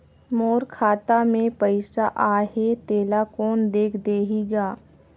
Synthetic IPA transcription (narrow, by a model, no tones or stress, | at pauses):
moːɾkʰaːt̪amẽpəɪsaʔaːɦet̪eːlakɔːnd̪eːkʰd̪eːɦiɡaː